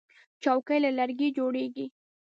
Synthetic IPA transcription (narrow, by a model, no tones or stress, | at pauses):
t͡ʃawkəjlalaɾɡid͡ʒoɽeɡi